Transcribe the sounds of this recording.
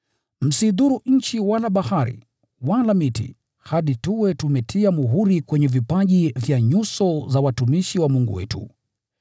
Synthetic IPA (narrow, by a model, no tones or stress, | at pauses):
m̩siðuɾuɲ̩t͡ʃiwalaɓahaɾḭ | walamitḭ | haɗituwɛtumɛtʰiamuɦuɾikwɛɲɛvipaʄivjaɲusɔzawatumiʃiwamuŋɡṵwɛ̰tṵ